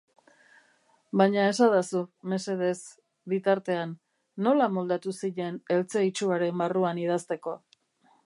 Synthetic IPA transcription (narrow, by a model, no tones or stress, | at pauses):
baɲae̞saðasume̞se̞ðe̞z | bit̪aɾt̪e̞anː | o̞lamo̞ld̪at̪usiʎe̞ne̞lt͡seit͡ʃuaɾe̞mbaruanið̞ast̪e̞ko̞